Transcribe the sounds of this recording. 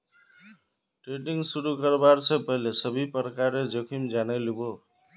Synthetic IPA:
ʈɾeɖiŋɡsuɾukəɾbaɾsʰẽpəɦilesəbʱipəɾkaɾed͡ʒokʰimd͡ʒanelibo

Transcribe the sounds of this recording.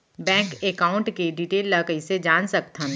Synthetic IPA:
bɛ̃ːŋkekaːʊ̃ɳʈkeɖiʈeːlːɐkəised͡ʒaːnsɐk̚t̪ʰə̃n

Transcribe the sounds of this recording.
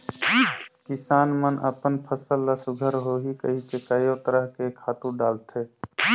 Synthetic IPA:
kɪsaːnmənʔə̰pənpʰəsəlːəsʊɡʱəɾɦoɦikə̰ɦit͡ʃekajot̪əɾəɦkekʰaːt̪ũɖaːlt̪ʰeː

